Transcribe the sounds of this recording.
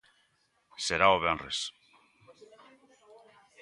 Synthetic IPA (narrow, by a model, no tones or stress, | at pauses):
seɾaoβenres